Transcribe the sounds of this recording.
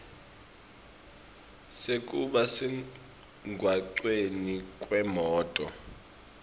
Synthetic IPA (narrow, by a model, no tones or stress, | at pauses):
sekʼuɓasɛ | ŋɡʱwaǀwenikʼwɛmɔːtʼɔ̰